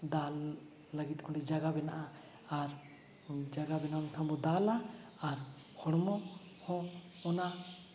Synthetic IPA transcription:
d̪alː | əɡit̪̚ˀkʰɔɛd͡ʒaɡabɛnaʔa | aɾ | d͡ʒaɡabɛnant̪ʰambɔd̪alaː | ɾ | hɔɽɔmɔ | hɔ | ɔna

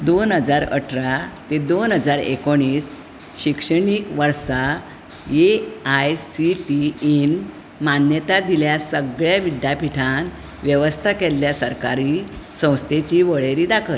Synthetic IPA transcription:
d̪onɦəd͡zaɾə̰ʈʰɾat̪ed̪onɦəd͡zaɾḛkoɽ̃iːs | ɕikʂəɳ̃iːkʋəɾsa | eajsiʈiin | manjət̪ad̪iljasəɡɭjaʋid̪japiʈʰan | ʋjəʋəst̪ʰakelːjasəɾkaɾisə̃w̃st̪ʰet͡ɕiːʋəɭeɾid̪akʰəl

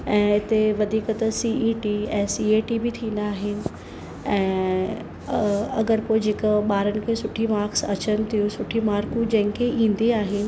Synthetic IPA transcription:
ɛ̃ːɪt̪eʋɐd̪ʱiːkət̪ɐsiːiʈiɛːsiːeːʈibɪt̪ʰĩːnd̪aːɦɪnɪ̆ | ɛ̃ː | ɐɡəɾpoːɪd͡ʑeːkəɓaːɾənɪ̆kʰeːsʊʈʰimaːɾksɐt͡ɕənɪ̆t̪ʰijũsʊʈʰimaːɾkũd͡ʑɐ̃ɦɪ̃kʰeʔĩːn̆d̪iaːɦɪnɪ̆

